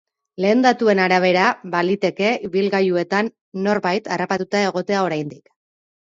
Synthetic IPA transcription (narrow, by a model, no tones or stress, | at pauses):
le̞ːnd̪at̪ue̞naɾaβ̞e̞ɾaβalit̪e̞ke̞iβilɣajue̞t̪anː | o̞rβajt̪arapat̪ut̪ae̞ɣ̞o̞t̪e̞ao̞ɾajnd̪ik